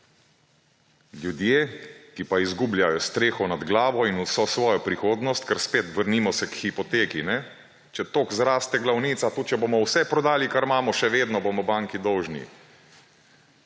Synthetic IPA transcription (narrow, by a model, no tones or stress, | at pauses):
lʲjud̪jeːkipaizɡuːbljajɔst̪ɾeːxɔnad̪ɡlaːʋɔinusɔsʋɔːjɔpɾixoːd̪nɔst̪kɛɾspeːt̪ʋəɾnimɔsɛkxipɔt̪eːkinɛ | t͡ʃɛt̪oːkzɾaːst̪ɛɡlawniːt̪sat̪oːt͡ʃɛbomɔwsɛpɾɔd̪aːlikaɾmaːmɔʃɛʋeːd̪nɔbomɔbaːŋkid̪ɔwʒnḭ